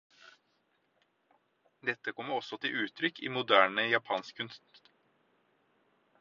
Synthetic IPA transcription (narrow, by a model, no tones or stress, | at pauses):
d̪ɛt̪ːəkʰɔmːəɾɔsɔt̪ʰɪʔʉːt̪ʰɾʏkʰːḭːmʊd̪æːɳəjɑpʰɑːnskkʰʉnst̪